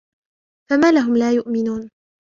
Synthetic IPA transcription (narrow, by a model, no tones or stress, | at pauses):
famaːlaɦʊmlaːjʊʔmɪnuːn